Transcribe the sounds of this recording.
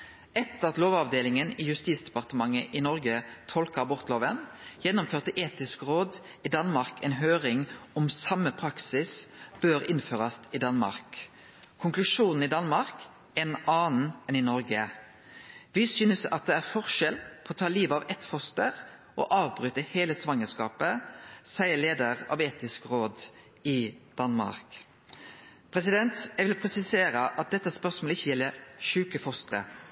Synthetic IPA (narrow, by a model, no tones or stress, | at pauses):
ɛt̪ːəʁɑt̪loːʋɑʋd̪eːlɪŋənɪjʉst̪iːt̪sd̪ɛpɑʁt̪əmɑŋːəʔɪnɔʁɡət̪ʰɔlkəʁbʊʁt̪loːʋənjɛnːʊmføːʁt̪əʔeːt̪ɪskʁoːd̪ | ɪd̪ɑnmɑʁkɛnɦøːʁɪŋɔmsɑmːəpʰʁɑksɪsb̥øɾɪnføːʁɑst̪ɪd̪ɑnmɑ̰ʁk | kʰʊŋklʉʂuːnn̩ɪd̪ɑnmɑʁk | ɛnɑːnn̩ɛnɪnɔʁɡə | ʋɪsyːnəsɑ̰t̪̚d̪ɛæʁfɔʁʃɛlpʰɔɔːt̪ʰɑːliːʋɑʋɛt̪fɔst̪əʁ | ʔɔ̰ʔɑːʋbɾʉːt̪əheːləsʋɑŋːəskɑːpəsæɪəleːd̪əʁɑ̰ʋeːt̪ɪskʁoːd̪ | ɪd̪̥ɑnmɑ̰ʁk | pʰʁɛsɪd̪ɛnt̪jɛɪʋɪlpʰʁɛsɪseːɾəʔɑt̪̚d̪ɛt̪ːəspœʁsmoːləɪçəjɛlːəʃʉːkəfɔst̪əʁə̰